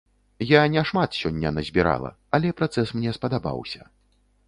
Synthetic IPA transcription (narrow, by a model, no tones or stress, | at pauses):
janʲɛʂmat̪sʲɔnʲːɐnɐzʲbʲiɾa̰lˠɐ̰ | ɐlʲɛpɾat̪sɛsmnʲɛspɐd̪aba̰wsʲɐ